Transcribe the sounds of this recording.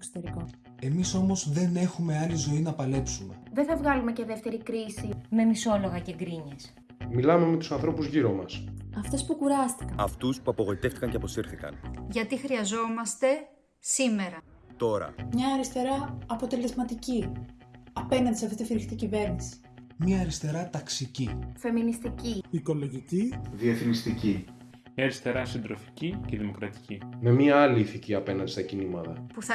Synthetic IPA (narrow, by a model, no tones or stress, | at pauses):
kso̥t̪eɾiko | e̞miso̞mo̞zðe̞ne̞xume̞ɐlizo̞inɐpɐle̞psume̞̰ðeθɐvɣɐlume̞ce̞ðe̞ft̪e̞ɾikɾisime̞miso̞lo̞ɣɐceɡɾiɲes | milɐme̞me̞t̪usɐnθɾo̞puzʝiɾo̞mɐsɐft̪e̞spukuɾɐst̪i̥kɐɐft̪uspuɐpoɣo̞it̪e̞ft̪ikɐɲceɐpo̞siɾθikɐ̰nʝɐt̪ixɾiɐzo̞mɐst̪e̞ | sime̞ɾɐ | t̪o̞ɾɐ̰mɲɐːɾist̪e̞ɾɐːpo̞t̪e̞le̞zmɐt̪ici | ɐpe̞nɐnd̪isɐft̪it̪fiɾçit̪icive̞ɾnisi̥ | mɐːɾist̪e̞ɾɐt̪ɐksicife̞minist̪iciiko̞lo̞ʝiciðieθinist̪ici | mɲɐɐɾist̪e̞ɾɐsind̪ɾo̞fi̥ciceðimo̞kɾɐt̪i̥cime̞miɐɐliːθiciɐpe̞nɐnd̪ist̪ɐcinimɐt̪ɐpuθɐ